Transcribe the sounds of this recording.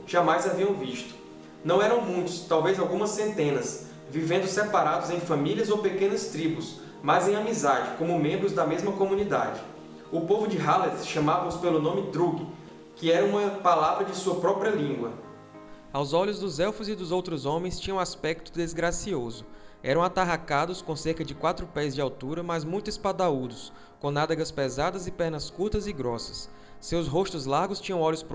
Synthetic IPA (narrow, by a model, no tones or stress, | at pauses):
ʒ̥amajzaviɐ̃w̃viʃt̪ʊ̥ | nɐ̃w̃ɛɾɐ̃w̃mũj̃t̪ʊ̥st̪awvejzawɡũmɐsːẽnt̪ẽnɐs | vivẽnd̪ʊsepaɾad̪ʊzẽj̃fɐ̃miliɐzowpekẽnɐst̪ɾibʊs | mazẽj̃amizad͡ʒɪkõmʊmẽmbɾʊzd̪ɐmezmɐkõmũnid̪a̰d͡ʒɪ | ʊpovʊd͡ʒɪɦalesʃɐ̃mavɐʊspelʊnõmɪd̪ɾuɡɪ | kɪɛɾɐũmɐpalavɾɐd͡ʒɪsuɐpɾɔpɾiɐlĩŋɡwɐ | awzɔʎʊzd̪ʊzɛwfʊzɪd̪ʊzowt̪ɾʊzõmẽj̃st͡ʃĩɲɐ̃aspɛk̚t̪ʊd̪ezɡɾasiozʊ | ɛ̰ɾɐ̃w̃at̪aɦakad̪ʊskõseɾkɐd͡ʒɪkwat̪ɾʊpɛzd͡ʒɪawt̪uɾɐmɐzmũj̃t̪ʊispad̪aud̪ʊs | kõnad̪ɐɡɐspezad̪ɐzɪpɛɾnɐskuɾt̪ɐzɪɡɾɔsɐ̥sː | ewsɦost̪ʊzlaɾɡʊst͡ʃĩɲɐ̃w̃ɔʎʊspɾ